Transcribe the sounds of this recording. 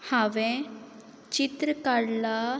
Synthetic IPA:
haʋẽ | t͡ʃit̪ɾəkaɽla

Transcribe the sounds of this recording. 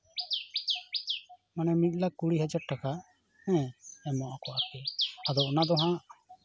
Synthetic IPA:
manɛmit̪̚ˀlakːuɽiɦad͡ʒaɾ̚ʈaka | hɛ̃ɛmɔʔakɔʔapɛad̪ɔɔnad̪ɔɦãʔ

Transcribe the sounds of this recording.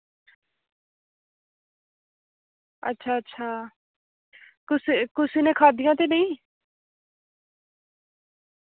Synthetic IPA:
ə̰tːʃʰaːətːʃʰaː | kʊsikʊsiːnẽːkʰaːd̪ijãːt̪eːnəĩː

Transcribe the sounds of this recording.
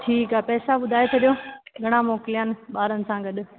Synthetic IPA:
ʈʰiːkaːpɛːsaɓʊd̪ʱaːet̪ʰɐɗijoɡʱɐɽ̃ãmoːkɪlijənɪ̆ɓaːɾənɪ̆sãɡɐɗʊ̆

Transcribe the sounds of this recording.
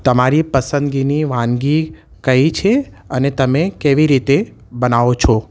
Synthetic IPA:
t̪əmaɾipəsə̃nd̪ɡiniʋãnɡi | kəit͡ʃʰe | ənet̪əmẽkeʋiɾit̪e | bənaʋot͡ʃʰɔ

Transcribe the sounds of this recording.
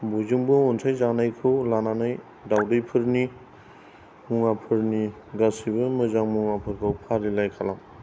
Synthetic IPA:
buzɯŋbɯontʰajzanajkʰɯwlananaj | dawdɯjpʰɯɾni | muŋapʰɯɾni | ɡasibɯmɯzaŋmuŋapʰɯɾkʰɯwpʰaɾilajkʰalam

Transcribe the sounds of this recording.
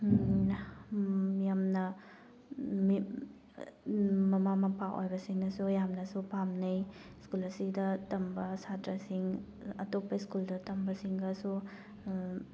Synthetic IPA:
mijamnɐ | mi | mɐmamɐpʰaʔo̰jbɐsiŋnɐsujamnɐsupamnɐjskulɐsidɐtɐmbɐsatɾɐsiŋɐtopːɐiskuldɐtɐmbɐsiŋɡɐsu

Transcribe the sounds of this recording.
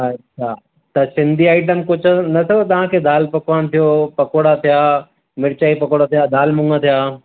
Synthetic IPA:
ɐɕʰaː | t̪ɐsɪ̃nd̪ʱiaːɪʈ̬əmkʊd͡ʑʰnɐt̪ʰjot̪ɐʋ̤ãkʰeːd̪ʱaːlpɐkʋaːñt̪ʰijoːpɐkoːɽat̪ʰijaː | mɪɾt͡ɕaːipɐkoːɽat̪ʰijaːd̪ʱaːlmʊ̃ŋɡat̪ʰijaː

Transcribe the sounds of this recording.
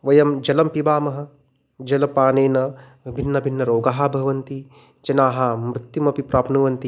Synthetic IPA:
ʋɐjɐmd͡ʒɐlɐmpibaːmɐɦɐ̆ | d͡ʒɐlɐpaːneːnɐ | bʱinːɐbʱinːɐɾoːɡaːɦɐbʱɐɦɐʋɐnt̪i | d͡ʒɐnaːɦɐmɾut̪jumɐpipɾaːpnuʋɐnt̪i

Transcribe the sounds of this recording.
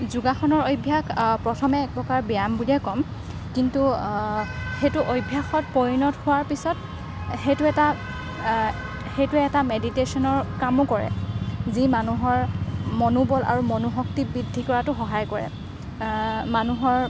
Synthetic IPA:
zuɡaxɔnɔɹojbʱjakpɹɔtʰɔmɛːk̚bɔkaɹbijambulɛkɔm | kintu | xejtʊʔojbʱjaxɔt̚poɹinɔthʊwaɹpisɔt̚ | xejtʊɛta | xejtʊɛɛtameditesɔnɔɹkamʊkɔɹɛ̰zimanuɦɔɹmɔnubɔlʔa̰ɹumɔnuɦɔk̚tibɹidʱːikɔɹatʊxɔɦajkɔɹɛ̰ | manuɦɔɹ

